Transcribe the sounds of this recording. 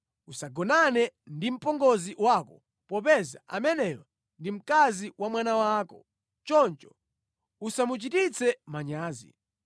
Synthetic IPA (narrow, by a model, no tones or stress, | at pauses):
usaɡɔnanɛndim̩pɔŋɡɔziwakɔ | pɔpɛza̰ʔa̰mɛnɛjɔ | ndim̩kaziwamwanawaːkɔ | t͡ʃɔnt͡ʃɔ̥ | usamut͡ʃitit͡sʰɛmaɲaːzḭ